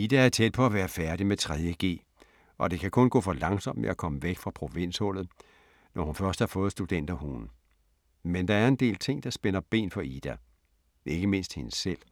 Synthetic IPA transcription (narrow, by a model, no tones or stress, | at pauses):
id̥ææɐt͡sʰed̥̚pʰɒ̽æʋæːɐfæɐɾ̥imet͡sʰʁɛð̞ˠjəɡ̥e̝̰ː | ʔɒ̽d̥e̝kʰækʰɔ̽nɡ̥ɔ̰̽ːfɒ̽lɑ̈ŋsɒ̽m̰̥meækʰɒ̽məʋeɡ̥fʁɑ̈pʰʁo̝ʋe̝n̰shɔ̽l̰ð̩ˠ | nʔɒhunfɶɐsd̥hɑ̈fɔ̽ːð̩ˠsd̥ud̥en̰d̥æhṵːn̩ | mend̥ɑ̈æɐe̝nd̥e̝̰ːlt͡sʰe̝ŋ̰d̥ɑ̈sb̥enɐb̥e̝̰ːnfɒ̽id̥æ | ʔe̝ɡ̥əme̝n̰sd̥he̝nəsel̰